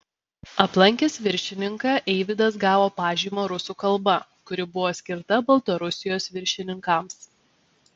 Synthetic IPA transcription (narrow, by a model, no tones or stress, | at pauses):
ɐplˠɐŋʲkʲeːsʋʲɪɾʲʃʲɪnʲɪŋkɑʔɛɪʋʲɪd̪ɐs̬ɡɑːʋoːpɑːʒʲiːmoːɾʊsuːkɐlˠbɐ | kʊɾʲɪbʊʋoːsʲkʲɪɾt̪ɐbɐlˠt̪ɐɾʊsʲɪjoːsʋʲɪɾʲʃʲɪnʲɪŋkɐms